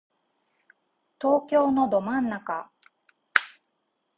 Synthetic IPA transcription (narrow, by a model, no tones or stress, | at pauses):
t̪o̞ːkʲo̞ːno̞d̪o̞mãnːaka